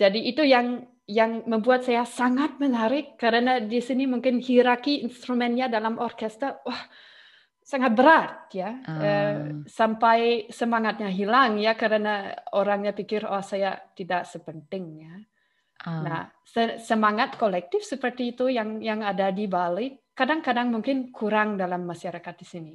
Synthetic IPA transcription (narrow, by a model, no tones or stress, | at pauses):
d͡ʒadiːt̪ujaŋ | jaŋməmbuat̪̚sajasaŋat̪̚mənaɾɪkːəɾənadisinimuŋkɪnhiɾakiinst̪ɾumɛnɲadalamʔɔrkɛst̪ərwah | saŋat̪̚bəɾat̪̚jaəsampajsəmaŋat̪̚ɲaɦilaŋjakəɾənaoɾaŋɲapikɪrahsajat̪idaʔsəpənt̪ɪŋja | nah | səsəmaŋat̪kolɛk̚t̪ɪfsəpərt̪iːt̪ujaŋjaŋadadibalɪkadaŋkadaŋmuŋkɪnkuɾaŋdalamːaʃaɾakat̪̚disini